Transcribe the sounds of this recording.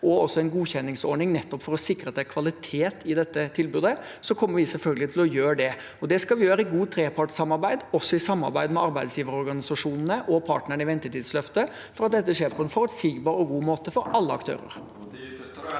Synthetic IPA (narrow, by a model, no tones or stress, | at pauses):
ɔɔsːɔɛɪnɡuːçɛnːɪŋsɔ̰ɾɳɪŋnɛt̪ːɔpfɔɾɔsɪkːɾəɑt̪d̪ɛækʰʋɑlɪt̪ʰeːt̪ʰɪd̪ɛt̪ːət̪ʰɪlbʉːd̪ə | sɔkʰɔmːəɾʋɪsɛlfœlɡəlɪt̪ʰɪlɔjøːɾɖɛ | ɔd̪ɛskɑlʋɪjøːɾəɪɡuːt̪ʰɾeːpʰɑʈsɑmːɑɾbæɪd̪ɔsːɔɪsɑmːɑ̰ɾbæɪd̪mɛɑɾbæɪd̪sjiːʋəɾəɔɾɡɑnɪsɑʂuːnənəʔɔpʰɑːʈnəɳəɪʋɛnt̪ət̪ʰiːd̪slœft̪ə | fɔɾɑt̪̚d̪ɛt̪ːəʂeːɾpʰɔɛnfɔɾt̪siːɡbɑːɾɔɡuːmoːt̪əfɔɾɑlːəɑkt̪ʰø̰ːɾə̰ɾ